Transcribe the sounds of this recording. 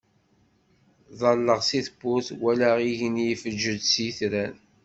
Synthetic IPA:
ðˤɑlːəʁsiθbʊθwælæʁiʝənjifəd͡ʒːəd̪siθɾæn

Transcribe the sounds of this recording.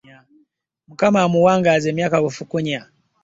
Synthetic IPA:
a | mukamamuwaŋɡazɛmiakakufukuɲa

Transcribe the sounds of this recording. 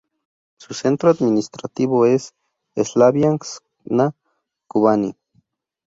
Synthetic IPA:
susent̪ɾoad̪minist̪ɾat̪iβoes | eslaβjaŋs | na | kuβanḭ

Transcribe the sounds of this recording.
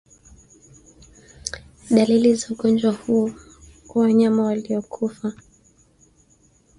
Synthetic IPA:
ɗalilizauɠɔnd͡ʒwahuɔ | kwawaɲamawaliɔkʰufa

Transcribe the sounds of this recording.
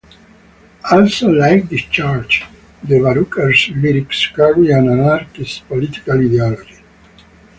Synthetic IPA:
alsolajk̚d̪ist͡ʃaɾd͡ʒ | d̪evaɾukəɾsliɾikskaɡiãnanaɾkispolit̪i̥kalid̪ealod͡ʒi

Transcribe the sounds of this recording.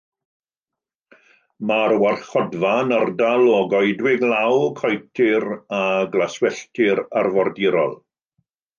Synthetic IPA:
maɾwarɬχɔdvanərdalɔɡɔjdwɪɡlawkʰɔjtʰɪɾaɡlaswɛɬtʰɪɾarvɔrdɪɾɔ̰lˠ

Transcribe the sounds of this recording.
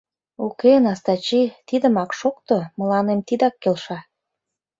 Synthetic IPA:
ukenɑst̪ɑt͡ɕit̪id̪ə̆mɑkʃokt̪omə̆lɑnemt̪id̪ɑkːelʃɑ

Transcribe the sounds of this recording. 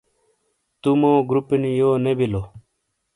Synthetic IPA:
t̪umoːɡɾupinijoːnebilo

